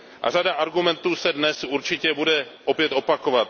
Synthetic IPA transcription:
ʔa̰radaʔaɾɡumɛnt̪uːsɛdnɛsʔuɾt͡ʃɪcɛbudɛʔo̞pjɛt̪o̞pako̞vat̪

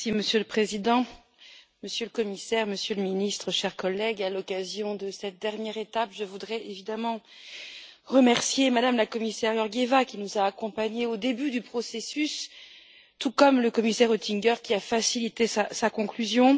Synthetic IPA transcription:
siməsjøləpχezid̪ɑ̃ | məsjøləkɔmisɛʁməsjøləminist̪χəʃɛʁkɔlɛɡalɔkazjɔ̃d̪əsɛt̪̚d̪ɛʁnjɛʁet̪apʒəvud̪ʁɛʔevid̪amɑ̃ | ʁəmɛʁsjemad̪amlakɔmisɛʁjɔʁɡevakʲinuzaːkɔ̃paɲeod̪ebyd̪ypχɔsesys | t̪ukɔmləkɔmisɛʁot̪ʰiŋɡʲœʁkʲiafasilit̪esasakɔ̃klyzjɔ̃

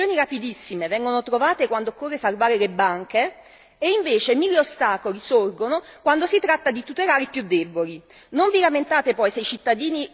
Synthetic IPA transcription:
oːniɾapid̪isːimevɛŋɡonot̪ɾovaːt̪ekwand̪okːorːesalvaːɾelebːaŋk̟eː | iɱveːt͡ʃemilːeost̪aːkolisorɡonokwand̪osit̪ɾat̪ːad̪it̪ut̪elaːɾipjud̪ːɛboli | noɱvilament̪aːt̪epɔjseit͡ʃit̪ːad̪iːni

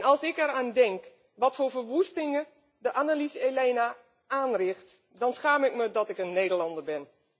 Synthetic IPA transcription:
nɑlˠsɪkɛraːndɛŋk | ʋɔtfoːɹvərʋustɪŋə | dəʔanalisəeleːna | aːnrɪxt | dɔnsxaːmɪkmədɔtɪkənːeːdərlɑndəɹbɪn

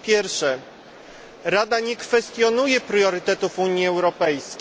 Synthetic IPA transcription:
pʲjɛɾfʂɛ | ɾad̪aɲɛkfɛst̪jɔnujɛpɾjɔɾɘt̪ɛt̪ufuɲjiɛwɾɔpɛjskʲ

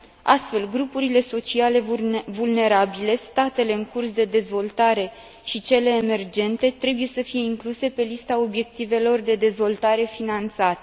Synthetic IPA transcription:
a̰st̪fe̞lɡɾupuɾile̞so̞t͡ʃiale̞vulne̞ɾabile̞st̪at̪e̞le̞ɨŋkursd̪e̞d̪e̞zvo̞lt̪aɾe̞ | ʃit͡ʃe̞le̞ːme̞rd͡ʒe̞nt̪e̞t̪ɾe̞buje̞səfije̞iŋkluse̞pe̞list̪ao̞bje̞k̚t̪ive̞lo̞rd̪e̞d̪e̞zvo̞lt̪aɾe̞finant̪sat̪e

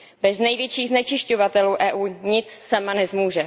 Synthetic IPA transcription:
bɛznɛjvjɛt͡ʃiːɣznɛt͡ʃɪʃcovat̪ɛluːʔɛːʔuːɲɪt͡ssamanɛzmuːʒɛ

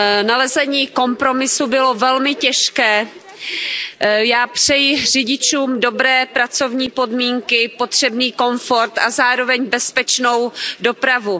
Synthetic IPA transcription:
nalɛzɛɲiːko̞mpɾo̞mɪsubɪlo̞vɛlmɪcɛʃkɛː | jaːpr̥ɛjr̝ɪɟɪt͡ʃuːmdo̞bɾɛːpɾat͡so̞vɲiːpo̞dmiːŋkɪpo̞t̪r̝̥ɛbniːko̞ɱfo̞ɾt̪azaːɾo̞vɛɲbɛspɛt͡ʃno̞wdo̞pɾavu

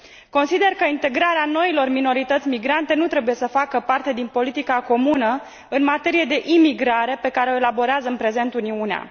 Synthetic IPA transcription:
ko̞nsid̪e̞rkəint̪e̞ɡɾaɾeano̞ilo̞rmino̞ɾit̪ət̪sʲmiɡɾant̪e̞nut̪ɾe̞buje̞səfakəpart̪e̞d̪inpo̞lit̪ikako̞munə | ɨnmat̪e̞ɾije̞d̪e̞ʔimiɡɾaɾe̞pe̞kaɾeo̞elabo̞ɾeazəɨnpɾe̞ze̞nt̪uniunea̰

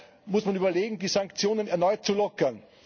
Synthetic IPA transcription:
mʊsmanyːbɐleːɡŋ̩diːsaŋkt͡sjoːnənɛɐnɔʏt̚t͡sulɔkɐn

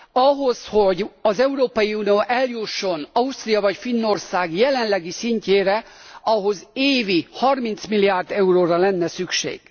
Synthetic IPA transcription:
ɒɦo̞sho̞ɟɒzɛuɾoːpɒjiuːnioːʔɛljuʃːo̞nɒust̪rijɒvɒcfinːo̞rsaːɡjɛlɛnlɛɡisiɲceːɾɛɒɦo̞zeːvihɒrmint̪smilːijaːrd̪ɛuroːɾɒlɛnːɛsykʃḛːɡ̥

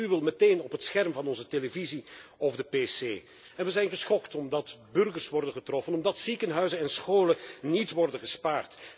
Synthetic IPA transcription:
yʋɪlˠmɛteːnɔpətsxɛrmvɑnɔnzəteləviziɔvdəpeseː | ɛnʋəzɛjnɣəsχɔktɔmdɑtbɵrɣərsʋɔrdənχətrɔfənɔmdɑtsikənɦœɥzənɛnsχoːlənitʋɔrdənɣəspaːrt

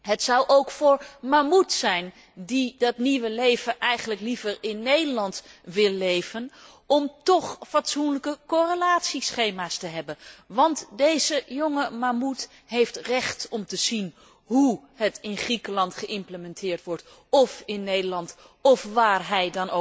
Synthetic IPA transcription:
ɦətsʌwʔowkfʊːɹmamutsɛjn | didɑtniʋəlejv̥əʔɛjχənləklivəɹɪnːejdəlɑntʋɪlˠːejvən | ɔmtɔχfɑtsunləkəkorəlaːtsisχejmaːstəɦɛbənʋɑntdejzəjoŋəmamut | ɦejftrɛχtɔmtəzin | ɦuhətɪnχrikəlɑntχəʔɪmpləmɛntɪːɹtʋɔɹt | ɔfɪnːejdəlɑnt | ɔfʋaːrɦɛjdɑno

